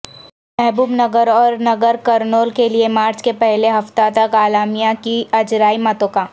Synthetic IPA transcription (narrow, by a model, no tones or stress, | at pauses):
mɛɦbuːbnɐɡəɾɔːɾnɐɡəɾkɐɾnoːlkeliemaːɾt͡ʃkepɛɦleɦɐft̪at̪ɐkaːlaːmijãkiɐd͡ʒɾaːimɐt̪õkaː